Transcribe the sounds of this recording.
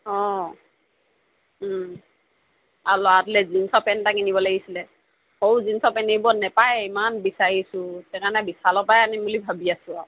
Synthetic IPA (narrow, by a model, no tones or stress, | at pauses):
ɔ̃ | alɔatlɛzinsɔpɛntakinibɔlaɡisilɛ | howzinsɔpɛnebɔnɛpajimanbisaɹisʊ̃tɛkanɛbisalɔpajanimulibʱabiasʊ̃a